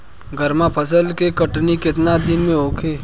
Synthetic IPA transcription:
ɡəɾmapʰɐsəlkekɐʈnikɪt̪nad̪ɪnmẽɦoːkʰeː

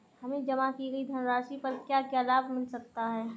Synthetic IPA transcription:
hɐmẽd͡ʒɐmakiɡɐid̪ʱɐnɾaːʃipɐɾkjaːkjɛːlaːbmɪlsɐk̚t̪aɦɛː

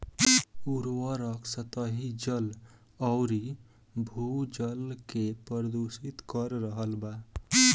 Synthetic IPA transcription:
uɾwəɾəksət̪əɦid͡ʒəl | ɔwɾi | bʱud͡ʒəlkepəɾəd̪osit̪kəɾɾəɦəlba

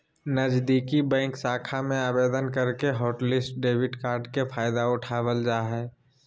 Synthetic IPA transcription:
nəd͡ʒd̪iːkibɛ̃ːŋksaːkʰamẽaːbeːd̪ənkəɾkeɦoːʈlɪsʈɖeːbɪʈkaːɾɖkepʰaːjd̪aʊʈʰaːwəld͡ʒaːɦɛː

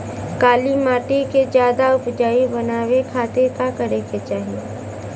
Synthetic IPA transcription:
kaːlimaːʈeked͡ʒjaːd̪aʊpd͡ʒaːibɐnaːwekʰaːt̪ekakəɾeket͡ʃaːɦie

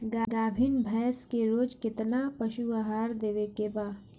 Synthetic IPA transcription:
ɡaɡaːbʱiːnbʱɛːskeɾoːd͡ʒkɪt̪napɐʃuaːɦaːɾd̪eːʋekebaː

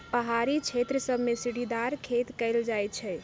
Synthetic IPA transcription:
pəɦaɾit͡ʃʰet̪ɾəsəbmesiɽid̪aɾkʰet̪kəɪld͡ʒajt͡ʃʰɛ

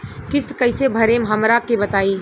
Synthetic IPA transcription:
kɪst̪kəɪsebʱəɾemɦəmɾakebət̪aːi

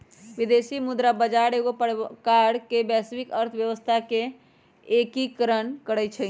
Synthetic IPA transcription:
ʋid̪esimud̪ɾabəd͡ʒaɾeɡopəkaɽkebɛsbikəɾt̪ʰbjəʋəst̪ʰake | ekikəɾənkəɽɛt͡ʃʰə

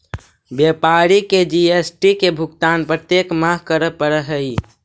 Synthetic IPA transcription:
bjepaɾiked͡ʒiesʈikebʱukt̪anpɾət̪jekməɦkəɾəpəɾəɦəi

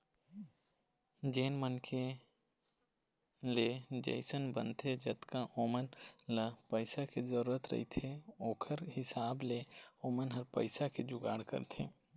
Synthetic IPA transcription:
d͡ʒeːnmənkʰe | led͡ʒə̰ɪsənbə̰nt̪ʰed͡ʒɐt̪kaʔoːmənləpəɪsakezəɾuːɾət̪ɾɐ̰ɦit̪ʰeoːkʰəɾɦɪsaːbleoːmənɦɐɾpə̰ɪsaked͡ʒʊɡa̰ːɽkə̰ɾt̪ʰeː

